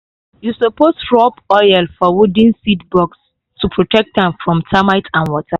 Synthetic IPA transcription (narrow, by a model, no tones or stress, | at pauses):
jusopostɹɔpɔjɛlfɔwudĩnsitbɔks | tupʰɹɔtɛk̚t̚ɛ̃mfɹɔ̃mtamaɪtʰãnwɔtʰa